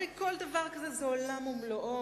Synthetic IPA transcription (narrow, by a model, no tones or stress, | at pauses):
ikold̪avaʁkazɛzɛolamumloʔo